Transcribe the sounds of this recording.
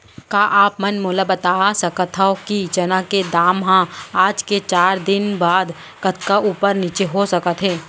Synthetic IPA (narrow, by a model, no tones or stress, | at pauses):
kaːʔaːpmɐnmoːlabɐt̪aːsɐkət̪ʰɦaokid͡ʒɐnãked̪aːmɦãaːd͡ʒket͡ʃaːɾd̪ɪnbaːd̪ | kɐt̪kaʔuːpəɾniːt͡ʃeɦosɐkət̪ɦɛ̃ː